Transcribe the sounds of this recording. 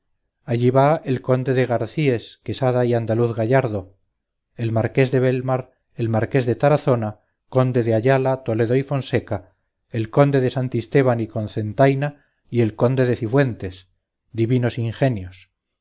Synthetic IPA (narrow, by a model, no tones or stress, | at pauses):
aʝiβae̞lko̞nd̪e̞ðe̞ɣ̞aɾθie̞ske̞saðaiand̪aluθɣaʝaɾðo̞ | e̞lmaɾke̞zðe̞βelmaɾ | e̞lmaɾke̞zðe̞t̪aɾaθo̞na | ko̞nd̪e̞ðeaʝalat̪o̞le̞ðo̞ifo̞nse̞ka | e̞lko̞nd̪e̞ðe̞sant̪ist̪e̞β̞aniko̞nθe̞nt̪ajna | ie̞lko̞nd̪e̞ðe̞θifwe̞nt̪e̞s | d̪iβino̞siŋxe̞njos